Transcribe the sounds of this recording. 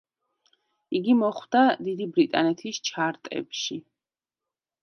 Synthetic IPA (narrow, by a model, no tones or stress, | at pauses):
iɡimɔχwd̪ad̪id̪ibɾit̪ʼanɛt̪ʰist͡ʃʰaɾt̪ʼɛ̰pʃi